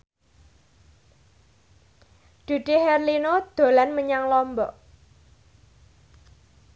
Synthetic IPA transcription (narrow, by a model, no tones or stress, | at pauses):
ɖ̪̥ṳɖ̪̥e̤hɛrlinod̪̥o̤lanməɲaŋlɔmbɔʔ